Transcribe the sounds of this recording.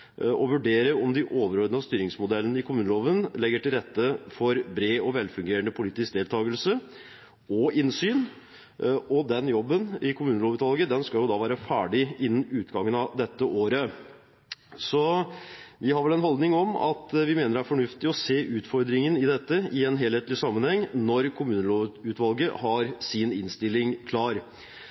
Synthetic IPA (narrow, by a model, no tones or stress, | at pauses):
ʔɔʋʉɖeːɾəɔmd̪ɪʔoːʋəɾoːd̪nɑst̪yːɾɪŋsmʊd̪ɛlːənəɪkʰʊmʉːnəloːʋənlɛɡːəʈɪlɾɛt̪ːəfɔɾbɾeːɔʋɛlfʉŋɡeːɾəɳd̪əpʰʊliːt̪ɪsk̚d̪eːlt̪ʰɑːɡəlsə | ɔɪnsyːn | ɔd̪ɛnjɔbːənɪkʰʊmʉːnəloːʋʉːt̪ʰʋɑlɡəd̪ɛnskɑljʊd̪ɑʋæːɾəfæːɖɪɪnːən̩ʉːt̪ɡɑŋːənɑd̪ɛt̪ːəʔoːɾə | sɔ | ʋɪhɑɾʋɛlɛnɦɔld̪nɪŋɔmɑ̰t̪ʋɪmeːnəɾæɾfɔɳʉft̪ɪɔseːʔʉːt̪fɔɾd̪ɾɪŋənɪd̪ɛt̪ːəɪɛnɦeːlheːt̪əlɪsɑmːənhɛŋːnɔɾkʰʊmʉːnəloːʉːt̪ʋɑlɡəhɑɾsɪnɪnst̪ɪlːɪŋkʰlɑːɾ